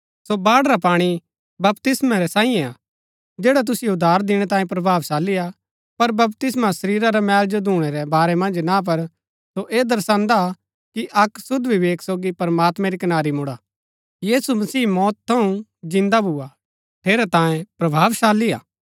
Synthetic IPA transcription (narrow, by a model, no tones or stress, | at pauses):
sobaːɽɾapaːɽ̃i | bɐpt̪ɪsmaɾɛsãːijẽa | d͡ʒeːɽat̪̬ʊsɪjeʊd̪ʱːaːɾd̪ɪɽ̃ɛt̪aːjẽpɾɐbʱaːʋsaːlːija | pɐɾbɐpt̪ɪsmasɐɾiːɾaɾamɛːld͡ʒod̪ʱuːɽ̃ɛɾɛbaːɾɛmɐ̃nd͡ʒnap̬ɐɾ | soʔeːd̪ɐɾsãːnd̪a | kiʔɐksʊd̪ʋiʋeːksoːɡipɐɾmaːt̪mɛ̃ɾikɐnaːɾimʊɽa | jiːsumɐsiːmɔːt̪t̪ʰːɐũd͡ʒɪ̃nd̪abʱʊa | ʈʰeːɾɛt̪ãːjẽpɾɐbʱaːʋsaːlia̰ː